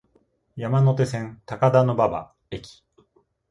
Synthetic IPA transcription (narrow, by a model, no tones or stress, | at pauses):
jamano̞t̪e̞sẽ̞nt̪akad̪ano̞baba̰ | e̞kʲi̥